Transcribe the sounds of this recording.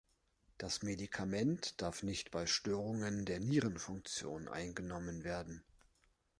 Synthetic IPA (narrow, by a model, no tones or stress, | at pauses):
d̥asmedikʰamɛntd̥aɐfnɪçtb̥aɪʃtøːʁʊŋəndeːɐniːʁənfʊŋk̚t͡sjo̰ːnʔa̰ɪnɡənɔmənveːɐdn̩